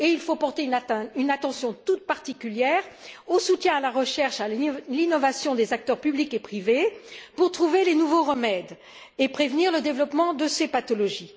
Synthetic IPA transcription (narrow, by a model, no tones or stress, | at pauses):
eilfopɔʁt̪ẽynat̪ɑ̃sjɔ̃t̪ut̪̚paʁt̪ikʲyljɛʁosut̪jɛ̃alaʁəʃɛʁʃalinɔvasjɔ̃d̪ezak̚t̪œʁpyblikepχivepuʁt̪χuvelenuvoʁəmɛd̪ | epχevniʁləd̪evlɔpmɑ̃d̪əsepat̪ɔlɔʒi